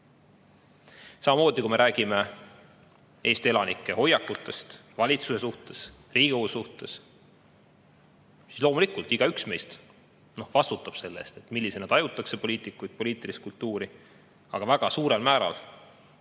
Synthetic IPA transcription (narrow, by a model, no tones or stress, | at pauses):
sɑmɑmo̞ːd̪ikumeɾʔæːɡ̥ime̞ | eːst̪ie̞lɑnikːˑe̞ho̞jːɑkːˑut̪ːˑe̞st̪vɑlʲit̪suse̞suht̪e̞s | riːɡ̥iowusuht̪e̞s | si̥slo̞ːmulikˑult̪iɡ̥ɑyksmejst̪ | no̞vɑst̪ut̪ːˑɑb̥se̞lːe̞̰st̪e̞t̪ˑmilʲːisenɑd̪ɑjut̪ːˑɑkse̞po̞lʲiːt̪ˑikːˑujt̪̚po̞liːt̪ːˑilist̪̚kult̪ːuːɾi | ɑɡ̥ɑvæɡ̥ɑsuːɾe̞lmæːɾɑ̰l